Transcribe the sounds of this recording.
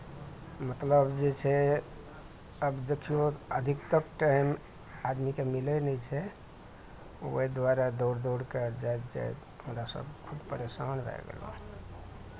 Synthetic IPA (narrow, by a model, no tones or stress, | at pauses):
mət̪ləbd͡ʒet͡ʃʰɛ | əbd̪ekʰijoəd̪ʱikt̪əkʈajm | ad̪mikemilɛnɛt͡ʃʰɛ | o̰əjd̪ʋaɾad̪oɾd̪oɽkəɾd͡ʒaj̪d͡ʒa̰j̪ | ɦəmɾasə̰bkʰud̪pəɾesanbɛ̰ɡḛlõ̰